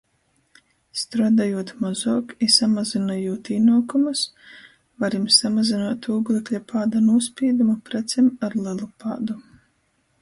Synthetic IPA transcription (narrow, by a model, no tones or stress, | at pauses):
st̪ɾaːd̪ajuɔt̪mɔzɔːkisamazinajuɔt̪inɔːkumas | vaɾimsamazinaːt̪uːɡlˠeklʲapʰaːd̪anuɔspʲiɛd̪umapɾɛt̪sɛmaɾlˠɨlˠupa̰ːd̪u